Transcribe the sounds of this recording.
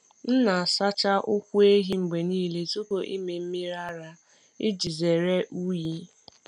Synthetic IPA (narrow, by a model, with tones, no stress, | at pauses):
n̩˦na˨a˨sa˦t͡ʃa˦ʔʊ˦kʷu˦e˦ɦi˦ŋ͡m̩˨ɡ͡be˨niː˦le˦tu˦ko˨ʔi˦me˨m̩˦mi˦ɾa˦ɾa˦ | ɪ˦d͡ʒi˨ze˨ɾe˦ʔu˦ji˦